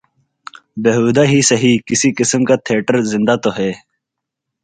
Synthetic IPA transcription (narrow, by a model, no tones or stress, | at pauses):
beɦuːd̪aɦisɐɦikɪsikɪsəmkat̪ʰieːʈəɾzɪ̃nd̪at̪oɦeː